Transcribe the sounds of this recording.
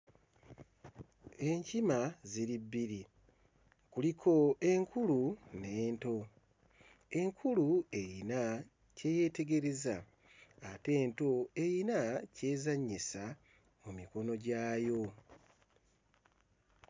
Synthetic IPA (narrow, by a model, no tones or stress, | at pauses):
e̞ɲcimaziɾibːiɾi | kulikʰo̞e̞ŋkulune̞ːnto̞ | e̞ŋkʰulue̞jina | ce̞je̞te̞ɡe̞ɾe̞zaː | te̞ːnto̞ejinace̞ːzaɲːisa | mumiko̞no̞ɟaːjo̞